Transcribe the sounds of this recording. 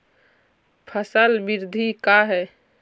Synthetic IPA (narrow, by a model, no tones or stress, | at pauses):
pʰəsəlbiɾd̪ʱikaɦɛː